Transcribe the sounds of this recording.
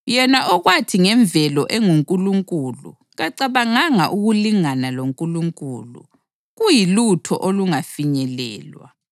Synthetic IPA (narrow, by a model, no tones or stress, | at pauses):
jɛnaʔɔɣwatʰiŋɛɱb̪vʱɛlɔʔɛŋuŋkʼuluŋkʼulṵ | ɣaǀaβaŋaŋaʔuɣuliŋanaloŋkʼuluŋkʼulṵ | ɣujilutʰɔ̰ʔoluŋafiɲɛlɛ̰ːlwa̰